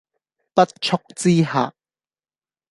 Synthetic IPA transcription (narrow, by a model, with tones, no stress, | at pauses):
pɐ˦˥t̚t͡ʃʰʊ˥k̚t͡siː˦ha̰ː˨˩